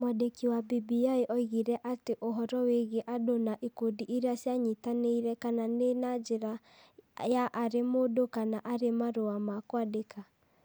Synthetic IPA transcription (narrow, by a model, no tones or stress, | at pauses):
mɔdekiwabibiaeʔɔiɣiɾɛʔateʔoɦɔɾɔweɣeʔadonaʔekodiʔeɾeasjaɲitaneiɾɛkananenad͡ʒeɾa | jaʔːɾemodokanaʔaɾemaɾoamakwadekʰa